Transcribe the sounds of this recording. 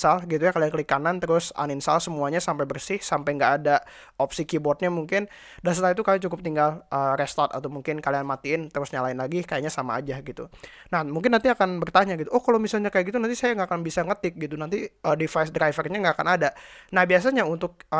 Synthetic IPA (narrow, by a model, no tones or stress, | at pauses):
salɡit̪ujakaliankəlikanant̪əɾʊsa̰ninsalsəmuaɲasampajbərsɪhsampajŋɡaʔːda | ʔɔpsikibɔt̪̚ɲamuŋkɪn | das̬at̪ait̪ukamit͡ʃukʊp̚t̪iŋɡalʔəɾɛst̪ɔt̪a̰t̪amuŋkɪnkalianmat̪iɪnt̪əɾʊsɲalaɪnlaɡikajaʔɲasama̰ːd͡ʒaɡit̪ṵ | nahmuŋk̬ɪnːant̪iakanbərt̪aɲaɡit̪uʔɔhkalowmisalɲakajaʔɡit̪unanisajaŋɡakanbisaŋət̪ɪk̚ɡit̪unant̪iədifajsdɾajfərɲaŋɡaːkanadanahbias̬aɲaunt̪ʊk̚